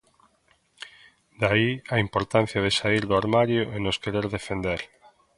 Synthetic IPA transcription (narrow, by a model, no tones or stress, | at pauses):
d̪aiaimpoɾt̪ãn̟θjað̞esaiɾðoaɾmaɾjoʔenoskeɾeɾðefend̪eɾ